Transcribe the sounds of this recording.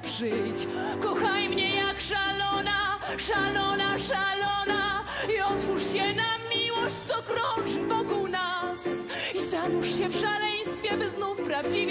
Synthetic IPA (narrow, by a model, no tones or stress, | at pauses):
pʂɘjt͡ɕ | kɔxajmɲɛjakʂalɔnaʂalɔnaʂalɔna | iɔt̪fuʂɕɛnamʲiwɔɕt͡ɕtsɔkɾɔʐɨvɔkuwnas | izanuʂɕɛfʂalɛj̃st̪fʲjɛbɘznufpɾavd͡ʑi